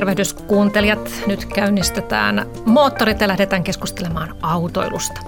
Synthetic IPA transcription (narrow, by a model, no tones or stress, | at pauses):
rʋehdyskuːnt̪eljɑt̪nyt̪kæynːist̪et̪æ̰ːn | moːt̪ːorit̪jɑlæhdet̪æːŋkeskust̪elemɑːnɑut̪o̰ilṵst̪ɑ̥